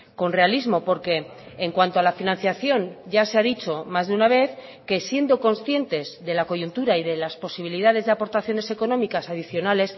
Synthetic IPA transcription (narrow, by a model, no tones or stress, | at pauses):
ko̞nre̞alizmo̞po̞ɾke̞ːŋkwant̪o̞alafinãnθjaθjo̞nɟ͡ʝase̞aðit͡ʃo̞mazðeunaβ̞e̞θ | ke̞sje̞nd̪o̞ko̞nsθje̞nt̪e̞zðe̞lako̞ʝunt̪uɾaiðe̞laspo̞siβ̞iliðað̞e̞zðe̞apo̞ɾt̪aθjo̞ne̞se̞ko̞nomikasað̞iθjo̞nale̞s